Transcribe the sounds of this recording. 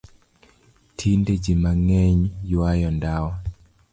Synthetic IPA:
tʰinded͡ʒimaŋɛɲjwajɔndawa

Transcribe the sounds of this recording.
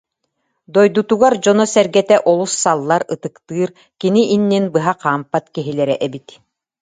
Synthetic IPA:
d̪ɔjd̪ut̪uɡaɾd͡ʑɔnɔsɛɾɡɛt̪ɛʔɔlˠusːalˠːaɾɯt̪ɯkt̪ɯːɾ | kiniʔinːinbɯɦaqaːmpat̪kiɦilɛɾɛʔɛbit̪

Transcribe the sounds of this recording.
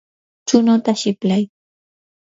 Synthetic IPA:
t͡ʃʊnot̪aʃɪplaj

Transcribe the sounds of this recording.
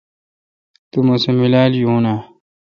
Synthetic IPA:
t̪umosemilaːljũːna

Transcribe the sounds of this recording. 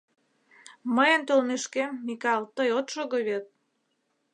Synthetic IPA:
məjə̆nt̪olmeʃkemːikɑlt̪əjot̪ʃoɣoβet̪̚

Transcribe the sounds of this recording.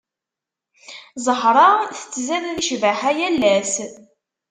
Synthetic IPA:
zˤəħɾˤɑθə̥t͡sːzæðæðiʃvəħæjælːæs

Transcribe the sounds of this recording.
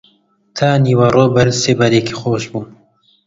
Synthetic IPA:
t̪ʰaːniːwɐrˤoːbɐɾseːbaɾekiːxoːʃbuː

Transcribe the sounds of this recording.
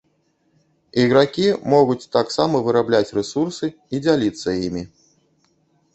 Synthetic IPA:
iɣɾakʲimɔɣut͡sʲt̪aksamɐvɨɾablʲat͡sʲrɛsursɨ | id͡zʲalʲit̪sːɐjimʲi

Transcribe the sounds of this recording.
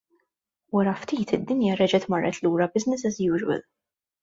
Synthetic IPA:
wɐɾɐft̪iːt̪ɪd̪ːɪnjɐɾɛd͡ʒɛt̪mɐrːʔɛt̪luːɾɐbɪznɪsɛzjuːd͡ʒwɛ̰l

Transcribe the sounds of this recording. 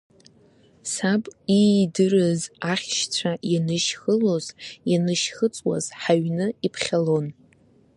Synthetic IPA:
sapʼidɨrɨzaχʲʃt͡sʷʰajanɨʃχəloz̥janɨʃχət͡sʼwa̰z̥ħaɥnɨipʰχʲalo̞n

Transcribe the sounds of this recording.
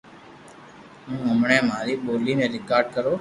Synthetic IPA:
ɦũːəmɳẽːmãːɾiːɓoːliːnẽːɾɪkaːɾɖkəɾoː

